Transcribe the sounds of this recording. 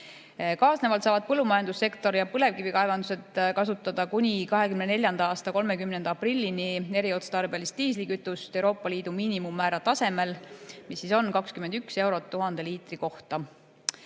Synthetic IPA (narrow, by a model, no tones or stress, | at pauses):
kɑːsne̞vɑlt̪sɑːvɑd̪̚pɤlːumɑjɑnd̪usːe̞kt̪o̞ɾjɑpɤle̞vkivikɑevɑnd̪use̞t̪kɑsut̪ːˑɑd̪ɑkunʲikɑɦe̞kymnene̞lʲjɑnd̪ɑɑːst̪ɑko̞lme̞kymnend̪̥ɑɑprilʲːinie̞ɾio̞t̪st̪ɑrbiɑlist̪iːs̬likyt̪ːˑust̪ewɾo̞ːpːˑɑliːd̪̥umiːnimumːæːɾɑt̪ɑse̞me̞lmisːiso̞nkɑkskymend̪̥ykse̞wɾo̞t̪ːuɦɑnd̪̥e̞liːt̪ˑriko̞ht̪ɑ